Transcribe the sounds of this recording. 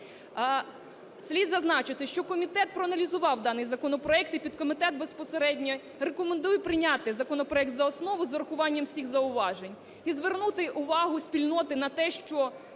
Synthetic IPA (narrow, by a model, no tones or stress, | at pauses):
sʲlʲid̪zɐznɑt͡ʃɪt̪ɪʃt͡ʃɔkɔmʲit̪ɛt̪̚pɾɔɐnɐlʲizʊʋɑwd̪ɑnɪjzɐkɔnɔpɾɔɛkt̪ipʲid̪kɔmɪt̪ɛt̪bespɔseɾɛdʲnʲɔ | rekɔmend̪ujpɾɪnʲɑt̪ɪzɐkɔnɔpɾɔɛk̚t̪zɐɔsnɔʋʊzɔɾɐxʊʋɑnʲːɐmsʲixzɐʊʋɑʒenʲ | izʋernut̪ɪʔʊʋɑɦʊsʲpʲilʲnɔt̪ɪnɐt̪ɛʃt͡ʃɔ